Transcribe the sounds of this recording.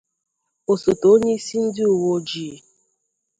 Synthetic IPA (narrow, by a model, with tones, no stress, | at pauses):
o˨so˨to˨o˦ɲe˦i˦si˦n̩˦dɪ˦u˨wo˦d͡ʒiː˨